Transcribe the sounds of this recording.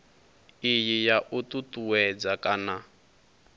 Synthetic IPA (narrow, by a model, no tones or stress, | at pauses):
ijijaʔututuwɛd͡zakʼana